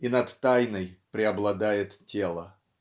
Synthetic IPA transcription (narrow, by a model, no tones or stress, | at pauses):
inɐt̪ːajnəjpɾʲɪɐblˠɐd̪ajɪt̪tʲelˠə